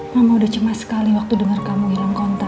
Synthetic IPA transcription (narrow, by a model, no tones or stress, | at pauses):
ŋamaudaht͡ʃəmat̪sə̥kaliwak̚t̪udəŋarkamuilamkɔnt̪a